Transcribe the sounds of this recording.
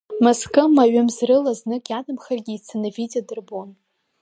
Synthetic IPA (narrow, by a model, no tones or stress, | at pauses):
moskʰʼɨmaɥɨmzrɨlaznɨkʼjadʼɨmχarɡʲiːt͡sʰɨnɨvit͡sʼadɨrbon